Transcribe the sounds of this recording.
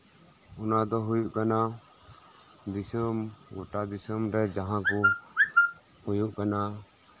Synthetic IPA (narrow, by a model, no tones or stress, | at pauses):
ɔnad̪ɔɦujuʔkana | d̪isəmɡɔʈad̪isəmɾɛd͡ʒaɦãkɔ | hujuʔkana